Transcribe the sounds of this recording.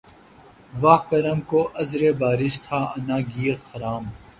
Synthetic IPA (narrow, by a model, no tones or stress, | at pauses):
ʋɐɦkɐɾɐmkoːʔɐzɾeːbaːɾɪʃt̪ʰaːɐnaːɡiːɾxɐɾaːm